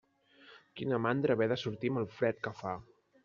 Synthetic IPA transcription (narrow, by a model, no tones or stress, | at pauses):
kinəmand̪ɾəβɛðəsuɾt̪iməlˠfɾɛt̪̚kəfa